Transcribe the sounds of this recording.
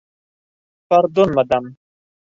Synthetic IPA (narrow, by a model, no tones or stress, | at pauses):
fɐɾd̪onmɐd̪ɐm